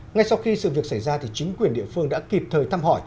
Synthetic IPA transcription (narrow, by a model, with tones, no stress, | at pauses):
ŋa˧jsa˧wxi˧sɨ̰˧˨vi˨˩ək̚sa˧˩jzaː˧t̪ʰi˨˩t͡ɕï˨˦ŋ̟kwi˨˩ənɗḭ˧˨əfɨ˧əŋɗa̰ː˧˥ki˨˩p̚t̪ʰəː˨˩jt̪ʰaː˧mɦɔ˧˩j